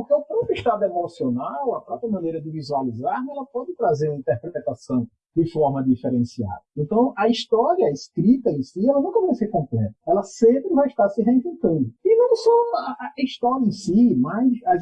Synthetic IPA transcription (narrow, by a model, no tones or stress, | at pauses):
ppoɾkeʊpɾɔpɾuʊiʃt̪ad̪ʊemosionawɐpɾɔpɾjɐmɐ̃nejɾɐd̪ɪvizualizaɾnɛlɐpɔd̪ɪt̪ɾazeɾumɐĩt̪ɛɾpɾɛɾɛt̪asɐ̃w̃ | d̪ɪfɔɾmɐd̪ifɛɾẽsia̰d̪ɐẽnt̪ɐ̃w̃ʔɐiʃt̪ɔɾjɐeskɾit̪ɐẽsiɛlɐnũw̃kɐvajseɾkõmplɛ̰t̪ɐɛlɐsẽmpɾɪvajiʃt̪aɾsɪɦeĩvẽnt̪ɐ̃nd̪ʊɪnɐ̃w̃sɔiʃt̪ɔɾjɐẽsimajsɐ